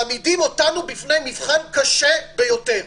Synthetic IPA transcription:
amidimo̞tanubifne̞jmivχankaʃebe̞jo̞teʁ

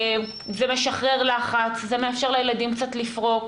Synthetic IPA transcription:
zemeʃaχʁeʁlaχat͡szemeafʃe̞ʁlejelad̪imkt͡sat̪lifʁo̞k

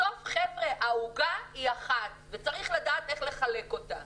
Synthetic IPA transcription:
ofχevʁeʔauɡaiaχatvet͡saʁiχladaːt̪e̞χle̞χale̞ko̞ta

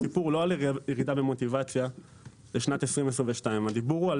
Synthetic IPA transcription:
ipuʁloaljeʁid̪abemo̞t̪ivat͡sja | beʃnat̪esʁimes̬ʁĩveʃtaimad̪ibuʁual

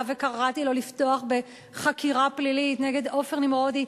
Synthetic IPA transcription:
vekaʁatilo̞lifto̞aχbe̞ | χakiʁaplilitneɡedo̞feʁnimʁodi

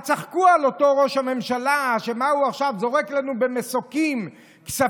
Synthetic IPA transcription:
t͡saχkualo̞to̞ʁo̞ʃhame̞mʃalaʃemauaχʃavzo̞ʁeklanube̞mesokim | ksa

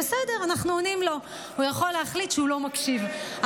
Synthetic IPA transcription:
esede̞ʁanaχnuonimlo̞ | hujaχo̞leɦaχlit̪ʃeulo̞makʃiva

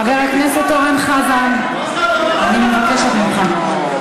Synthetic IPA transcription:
χaveʁakneset̪oʁanχavan | animevakeʃet̪miχan

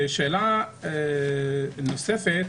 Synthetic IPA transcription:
ʃela | nosefet̪

